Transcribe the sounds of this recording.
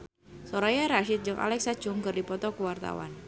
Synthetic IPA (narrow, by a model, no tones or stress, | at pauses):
sɔɾajaɾaʃɪt̪̚d͡ʒɨŋʔa̰lɛksḁd͡ʒʊŋkɨrdipɔt̪ɔkuwart̪a̰wa̰n